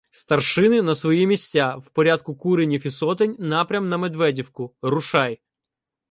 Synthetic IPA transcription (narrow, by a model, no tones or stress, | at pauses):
st̪ɐrʃɪnɪnɐsʋɔjimʲisʲtʲawpɔɾʲad̪̚kʊkuɾenʲifʲisɔt̪enʲnɑpɾʲɐmnɐmed̪ʋɛdʲiwkʊrʊʃɑj